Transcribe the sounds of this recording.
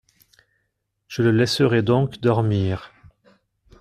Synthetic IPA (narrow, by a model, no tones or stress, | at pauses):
ʒ̥ələlɛsəʁɛd̪ɔ̃kd̪ɔʁmiːʁ